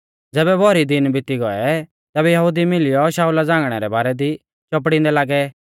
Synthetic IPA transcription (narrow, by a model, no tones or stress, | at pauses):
d͡zɛːbɛbʱɔɾid̪ɪnbʱɪt̪iɡɔɛ | t̪ɛːbɛjɐɦud̪imɪlɪjɔʃaːulad͡zãːŋɡɽ̃ɛɾɛbaːɾɛd̪i | t͡ʃɔp̬ɽɪ̃nd̪ɛlaːɡɛ